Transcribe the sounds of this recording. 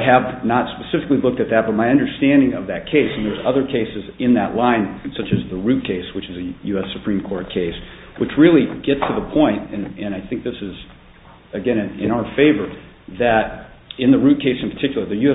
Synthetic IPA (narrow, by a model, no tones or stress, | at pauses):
ɨvnətspɨsɪfɨklilʊk̚tɨt̪̚ðɨt̚b̥ʌt̚maɪʌ̃ndə˞stæ̃ndɪ̃ŋʌvðɨt̚kʰeɪsn̩ðə˞zʌðə˞kʰeɪsɨzɨ̃nðəʔlãɪ̃nsʌt͡ʃɨzðəɹʉt̚kʰeɪswɨt͡ʃɨzɨjʉɛsɨpʰɹ̥ĩmkʰɔɹt̚kʰeɪs | wʔɨt͡ʃɹɪlˠiɡ̥ɛtstʰɨðəpʰɔ̃ɪ̃ntɨ̃nɨ̃naɪθɪ̃ŋk̚ðɪsɨz | ɨɡɛ̃ñɨ̃nɨ̃ñaʊə˞feɪvə˞ | ðɨɾ | ɨ̃nðəɹʉt̚kʰeɪsn̩pʰə˞tʰɪkjl̩ˠə˞ðɨjʉɛ